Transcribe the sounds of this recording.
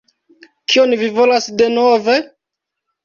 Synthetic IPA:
kʰio̞nvivo̞lasde̞nove̞

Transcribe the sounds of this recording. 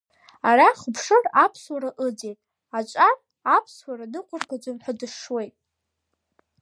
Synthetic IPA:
araχəpʰʂɨrapʰswaɾaʔɨd͡zejtʼ | at͡ʃʷʼar | apʰswaɾanɨqʷʼʊrɡad͡ʒʷamħʷadɨʂwe̞jtʼ

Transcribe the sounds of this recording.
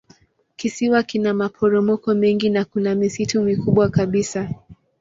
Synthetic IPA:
kisiwakinamapʰɔɾɔmɔkɔmɛŋɡinakunamisitumikuɓwakaɓisa

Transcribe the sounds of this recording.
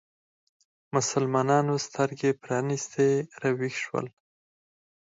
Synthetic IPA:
mʊsalmɑnɑnost̪əɾɡepɾɑnist̪eɾawixʃwə̰l

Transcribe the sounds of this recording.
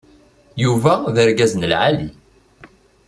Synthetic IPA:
juvæðəɾɡæznəlʕali

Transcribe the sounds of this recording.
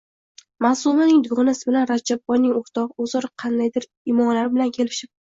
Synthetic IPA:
masumanɪŋd̪ʊɡɒnasɪbɪlanɾad͡ʒab̚bɒjnɪŋoɾt̪ʰɒqozɒɾɑqʰɑnd̪ajd̪ɪɾ | ɪmɒmlaɾɪbɪlankʲʰe̞lɪʃɪp̚

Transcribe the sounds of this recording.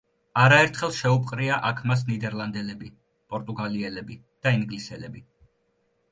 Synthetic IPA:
aɾaɛɾt̪ʰχɛlˠʃɛupʼqʼɾiaʔakʰmas̬nid̪ɛɾlˠand̪ɛlɛbi | pʼɔɾt̪ʼuɡaliɛlɛbi | d̪̥aiŋɡlisɛlɛbi

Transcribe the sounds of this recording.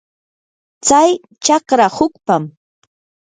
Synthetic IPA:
t͡saj | t͡ʃɑkɾahʊkpam

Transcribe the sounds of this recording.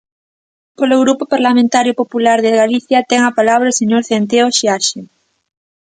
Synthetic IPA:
poloɣɾupʊpaɾlamẽnt̪aɾjʊpopulaɾðeɣaliθjɐt̪ɛŋɐpalaβ̞ɾɐseɲoɾθent̪̬eoʃiaʃe

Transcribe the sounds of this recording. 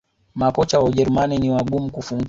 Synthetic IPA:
makɔt͡ʃawaʄɛɾumaniniwaɡumukufuŋɡ

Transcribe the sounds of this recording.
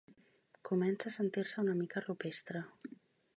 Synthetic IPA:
kumɛnsaːsənt̪iɾsəunəmikərupest̪ɾə

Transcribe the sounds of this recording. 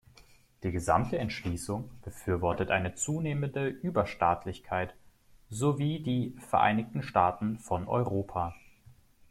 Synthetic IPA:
d̥iːɡəza̰mtəɛntʃliːsʊŋb̥əfyːɐvɔɐtətʔaɪnət͡suːneːməndəʔyːbɐʃtaːtʰlɪçkʰaɪt | zoviːdiːfɛɐʔa̰ɪnɪçtn̩ʃtaːtn̩fɔnʔɔ̰ʏʁoːpʰaː

